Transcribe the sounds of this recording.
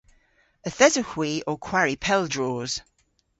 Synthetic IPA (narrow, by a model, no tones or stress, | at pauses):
əθɛzəhw̥iːʔəkʰw̥aɹipʰɛlˠdɹɔːz̥